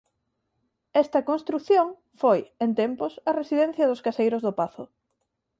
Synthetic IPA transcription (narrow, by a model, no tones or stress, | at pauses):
ɛst̪ɐkonst̪ɾukθjoŋ | fojent̪ɛmpʊsɐresiðɛ̃n̟θjɐðʊskasejɾʊzðʊpaθʊ